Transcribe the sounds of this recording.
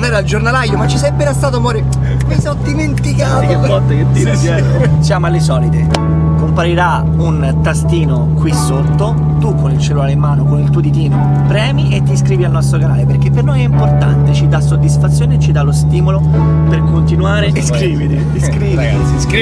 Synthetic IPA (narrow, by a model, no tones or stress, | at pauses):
d̪ɛːɾald͡ʒornalajːomat͡ʃːisɛjpːeɾast̪aːt̪omɔːɾe | mesɔd̪iment̪ikaːk̪evɔlt̪ak̟et̪ːisɛ | sjaːmalːesɔːlit̪e | kompaɾiɾa | un | t̪ast̪iːno | kwisːot̪ːo | t̪ukːonilt͡ʃelulaːleimːaːnokonilt̪uod̪it̪iːmo | pɾɛːmiet̪ːiskɾiːvialnɔst̪ɾokana̰ːleperk̟epːernojɛimport̪a̰nt̪et͡ʃid̪asːod̪ːisfat̪sːjoːneet͡ʃːid̪alost̪iːmolo | perkont̪inuaːɾeskɾiːvit̪ḭ | skɾiː | i